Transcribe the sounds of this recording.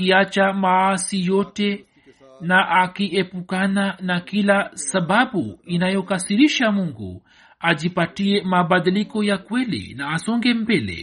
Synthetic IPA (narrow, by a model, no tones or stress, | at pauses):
iat͡ʃamaasijɔtɛ | naʔakiɛpukananakilasaɓaɓuinajɔkasiɾiʃamuŋɡṵ | aʄipatiɛmaɓaɗilikɔjakwɛlḭnaːsɔŋɡɛm̩bɛlɛ̰